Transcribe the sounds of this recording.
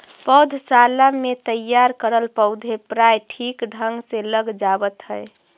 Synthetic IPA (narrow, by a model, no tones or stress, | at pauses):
pəwd̪ʱsalamet̪əjːaɾkəɾəlpəʊd̪ʱepɾajʈʰikɖʱəŋɡseləɡd͡ʒabət̪ɦəe